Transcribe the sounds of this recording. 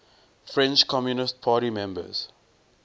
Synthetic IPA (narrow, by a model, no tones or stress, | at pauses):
fɹɛ̃nt͡ʃkʰɔmjunɪst̚pʰaːɾimɛ̃mbə̰z̥